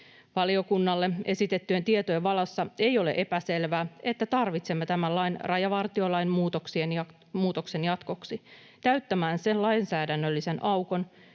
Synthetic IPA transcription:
ʋɑlio̞kunːɑlːe̞e̞sit̪e̞t̪ːyet̪iet̪oeʋʋɑlɑsːɑe̞jo̞le̞̰ʔe̞pæse̞lʋæːe̞t̪ːæt̪ɑrʋit̪se̞mːet̪æmælːɑjnrɑjɑʋɑrt̪io̞lɑjnmuːt̪oksien | muːt̪o̞kse̞njɑt̪ko̞ksi | t̪æɥt̪ːæmæːnse̞nlɑinsæːdænːølːise̞nʔɑwko̞n

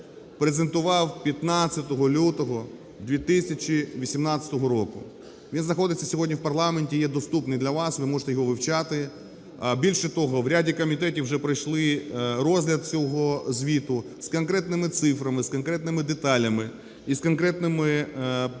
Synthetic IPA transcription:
pɾezent̪ʊʋɑwpʲjɐt̪nɑt͡sʲːɐt̪ɔɦɔlʲut̪ɔɦɔ | d̪ʋʲit̪ɪssʲɐt͡ʃʲiʋʲisʲimnɑt͡sʲɐ̥t̪ɔɦɔɾɔkʊ | ʋʲinznɐxɔd̪ɪtʲt͡sʲɐsʲɔɦɔdʲnʲiwpɐrlˠɑmenʲtʲijɛd̪ɔst̪upnɪjd̪lʲɐʋɑsʋɪmɔʒe̥t̪ɛjɔɦɔʋɪwt͡ʃɑt̪ɪ | bʲilʲʃɛt̪ɔɦɔʋɾʲadʲikɔmʲit̪ɛtʲiwʒɛpɾɐjʃlˠɪrɔzʲɦlʲɐd̪̚t͡sʲɔɦɔzʲʋʲit̪ʊ | skɐnkɾɛt̪nɪmɪt̪sɪfɾɐmɪskɔnkɾɛt̪nɪmɪd̪et̪ɑlʲɐmɪ | iskɔnkɾɛt̪nɪmɪ

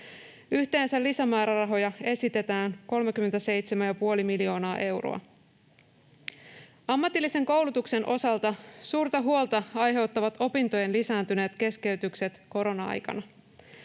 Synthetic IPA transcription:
yçt̪e̞ːnsælːisæmæːɾɑrɑɦo̞jɑe̞sit̪e̞t̪æːŋko̞lmek̟yment̪æse̞jt̪semænjɑpuo̞limilio̞ːnɑːʔe̞wro̰ɑ̰ | ɑmːɑt̪ːilːise̞ŋko̞wlut̪ukse̞nʔo̞sɑlt̪ɑsuːrt̪ɑɦuo̞lt̪ɑɑjɦe̞wt̪ːɑʋɑt̪o̞pint̪o̞jenlisæːnt̪yne̞ːt̪k̟e̞ske̞yt̪ykse̞t̪ko̞ɾo̞nɑɑ̰jkɑ̰nɑ

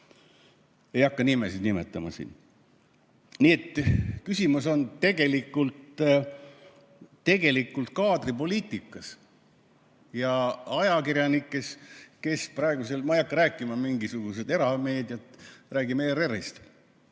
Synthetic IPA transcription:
e̞jɑkːɑnimesid̪nimḛt̪ːˑɑmɑ̰sḭːn | niet̪ːkysʲimuso̞nt̪e̞ɡ̥e̞likːˑult̪ | t̪e̞ɡ̥e̞likːˑult̪kɑːd̪ripo̞liːt̪ːˑikːˑɑs | jɑɑjɑkirjɑnikːˑeske̞sprɑe̞ɡ̥use̞lmɑejɑkːɑɾæːkːˑimɑmiŋɡisuɡ̥us̬e̞d̪e̞ɾɑme̞ːd̪̥jɑt̪ræːɡimeːɾeɾist̪

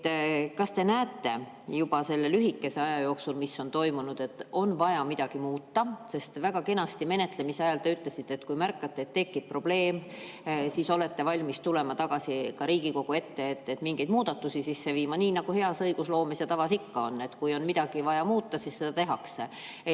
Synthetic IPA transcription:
kɑst̪e̞næːt̪ːe̞ | jub̥ɑse̞lːe̞lyɦikːe̞se̞ɑjɑjo̞ːksulmisːo̞nt̪o̞jmunud̪̥e̞t̪ːˑo̞nvɑjɑmid̪̥ɑɡ̥imuːt̪ːɑse̞st̪væɡ̥ɑke̞nɑst̪ime̞ne̞t̪ˑle̞miseɑjɑlt̪e̞yt̪ːˑle̞sit̪ːet̪kujmærkːɑt̪ːˑeːt̪ːe̞kːip̚pro̞b̥le̞ːm | siːso̞le̞t̪ːe̞vɑlʲmist̪ule̞mɑt̪ɑɡ̥ɑsikɑɾiːɡ̥iko̞ɡ̥ue̞t̪ːe̞et̪ːet̪ːmiŋɡ̥e̞jd̪̚muːd̪̥ɑt̪ːˑusisisːe̞viːmɑniːnɑɡ̥uhe̞ɑsɤjɡ̥uslo̞ːmesjɑt̪ɑvɑsikːɑo̞nːe̞t̪kujo̞nmid̪ɑɡ̥ivɑjɑmuːt̪ːɑsisːe̞d̪ɑt̪e̞ɦɑkse

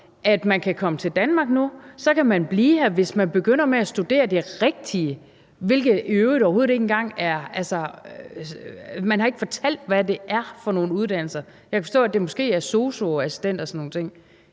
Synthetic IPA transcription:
ʔæd̥mænkʰækʰɒ̽mət͡sʰe̝ld̥ænmɑ̈ːɡ̥̚nusɒ̽kʰæmænb̥liːɦæɐʋe̝smænb̥e̝ɡ̥øn̰ɐmeæsd̥ud̥e̝̰ːɐd̥eʁɛɡ̥̚d̥iə | ʋe̝lɡ̥ð̩ˠøːʊdɒʊho̝ðˠe̝ɡn̩ɡ̥ɑ̈ŋ̰æɐælsɐ | mænhɑ̈e̝ɡ̥əfɒ̽t͡sʰæl̰d̥ʋæd̥e̝ʔæɐfɒ̽no̝ːn̩uð̞ˠd̥æn̰l̩sɐ | jɑkʰæ̥fɒsd̥ɔ̰ːæd̥e̝mɒ̽sɡ̥e̝̰ːæɐso̝ːso̝æsi̥sd̥en̰d̥ɒsɒnːo̝ːn̩t͡sʰe̝ŋ̰

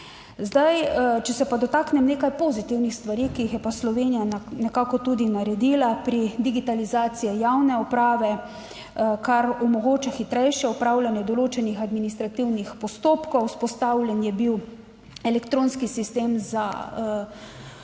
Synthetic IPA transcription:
zd̪ajt͡ʃɛsɛpad̪ɔt̪aːknɛmneːkajpozit̪iwnixst̪ʋaɾiːkiːxjɛpaslɔʋeːnijanɛkaːkɔt̪ud̪inaɾɛd̪iːlapɾid̪iɡit̪alizaːt̪sijɛjawnɛɔpɾaːʋɛ | kaɾɔmɔɡoːt͡ʃaxit̪ɾɛjʃjɛɔpɾaːwlʲanjɛd̪ɔloːt͡ʃɛnixad̪minist̪ɾat̪iwnixpɔst̪oːpkɔwspɔst̪awlʲɛnjɛbiw | ɛlɛkt̪ɾoːnskisist̪eːmza̰

